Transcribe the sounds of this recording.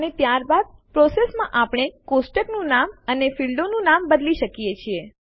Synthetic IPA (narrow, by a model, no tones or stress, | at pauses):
ənet̪jaɾbad̪̚pɾɔsesmãʔapɳ̃ekosʈəknũnamənefilɖonũnambəd̪liʃəkijet͡ʃʰie